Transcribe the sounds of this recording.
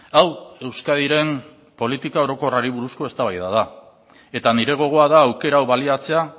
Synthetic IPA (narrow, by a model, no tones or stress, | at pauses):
awe̞wskað̞iɾe̞m | po̞lit̪ikao̞ɾo̞ko̞raɾiβ̞uɾusko̞e̞st̪aβajðað̞a | e̞t̪aniɾe̞ɣ̞o̞ɣ̞o̞aðaːwke̞ɾaːwβaliat͡se̞a